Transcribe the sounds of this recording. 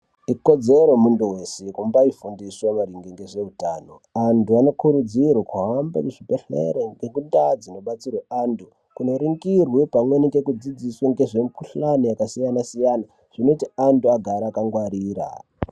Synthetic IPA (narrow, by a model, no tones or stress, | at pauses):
iko̞d͡ze̞ɾo̞munduwe̞sekumbaifundiswamaɾiŋɡiŋɡeʐe̞utaːno̞̰ | antuano̞kuɾud͡zirwakuɦamba̰kuʐipeɬḛɾeŋɡekundad͡zino̞ɓat͡sirweʔandu | kuno̞ɾiŋɡirwepamwe̞nikɡe̞kud͡zid͡ziswaŋɡe̞ʐempuɬanijakasijanasijana | ʐ̥ino̞tiantuaɡʱaɾaːkaŋɡwaɾiːɾa̰